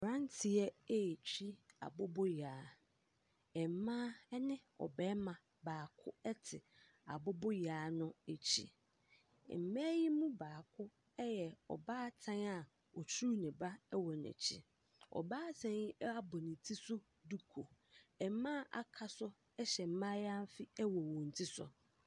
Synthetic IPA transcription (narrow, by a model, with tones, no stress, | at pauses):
ɾã˦n˦tʰɪ˨ɛ˦e˦˨t͡ɕᶣi˦a̰˨bʊ˦bɔ˦jaː˨˦ | ɛ˨m˨mãː˦ɛ˦nɪ̃˦ɔ̰˨bɛː˦mã˨ | baː˨kʰʊ̰˦ɛ˦tʰɪ˨ | a̰˨bʊ˦bɔ˦jaː˨˦nʊ̃˦e˨t͡ɕʰḭ˦˨ | m̩˨mɛ̃˦ji˦mũ˦baː˨kʰʊ˦ | ɛ˦jɛ˨ɔ̰˨baː˦tʰã˦na˨ | ɔ˨t͡ɕʰu˦nɪ̃˨ba˦ɛ˦wɔ˨nɛ̰˨t͡ɕʰḭ˨ | ɔ̰˨baː˦sʰɛ̃˨i˦a˦˨bʊ˨nĩ˨tʰi˦sʊ˦ | du˦kʰo˨ɛ˨m˦mãː˦ʔa̰˨kʰa˨sʊ˦ | ɛ˦ɕɛ˨m̩˦mã˦ja˦m̩˦fɪ˦ɛ˦wɔ˨wɔ̃˨n̩˨tʰi˦sʊ̰˨